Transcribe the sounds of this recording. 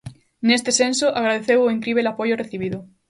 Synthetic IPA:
nest̪esensoʔaɣɾaðeθewoiŋkɾiβelapoʝoreθiβ̞iðo

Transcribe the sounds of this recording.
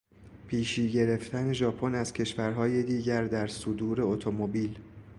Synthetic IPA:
pʰiːʃiːɟe̞ɾe̞ft̪ʰæne̞ʒɒːpʰo̞næz̥cʰe̞ʃvæɾɦɒːjed̪iːɟæɾd̪æɾsod̪uːɾe̞ot̪ʰo̞mobiːl

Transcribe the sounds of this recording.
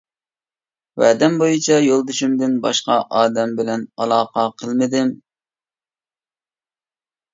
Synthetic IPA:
wæːd̪ɛmbojut͡ʃʰɑjolˠd̪uʃymd̪ɪnbɑ̰ʃqɑʔɑːd̪ɛmbɪlɛnɑlˠɑːqɑqʰəlˠmɪd̪ɪm

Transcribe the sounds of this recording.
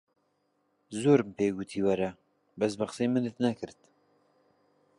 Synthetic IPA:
zoːɾmpeːɡut̪ʰiːwɛɾɛ | bɛsbaχsiːmɨnɨt̪nɛkʰɨɾt̪

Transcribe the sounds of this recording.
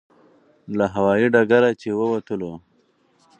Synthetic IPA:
laɦawɑːiɖaɡaɾat͡ʃewəwat̪əlo

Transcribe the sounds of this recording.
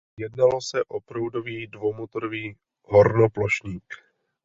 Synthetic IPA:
jɛdnalosɛʔopɾowdoviːdvomut̪ɾoviː | ɦoɾnoploʃɲiːk

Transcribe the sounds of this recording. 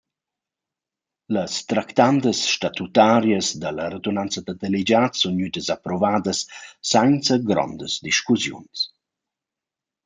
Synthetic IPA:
ləst̪ɾakt̪and̪əsʃtat̪ut̪aɾjəsd̪ələɾed̪unant͡səd̪əd̪elid͡ʒat̪sunɲyt̪əzapɾɔvaːd̪əsːajnt͡səɡɾɔ̰nd̪əzd̪iʃkuzjṵns

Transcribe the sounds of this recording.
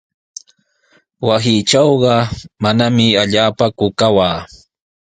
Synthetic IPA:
wasɪt͡ʃɑwɢɑmanamɪaʎaːpakʊkawaː

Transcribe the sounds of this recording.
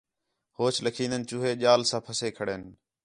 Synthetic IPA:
hoːt͡ʃʰləkʰiːnənt͡ʃʊːɦeːʄaːlsãːpʰəseːkʰəɽeːn

